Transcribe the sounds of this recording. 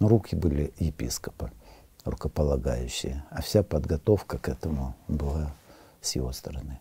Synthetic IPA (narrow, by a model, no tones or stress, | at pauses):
ɾukʲɪbɨlʲɪjɪpʲḭskəpɨ | rʊkəpəlˠɐɡajʉɕːɪjəɐfsʲapəd̪ɡɐt̪o̞fkəkɛt̪əmʊbɨlˠa | sʲjɪvo̞st̪əɾɐnɨ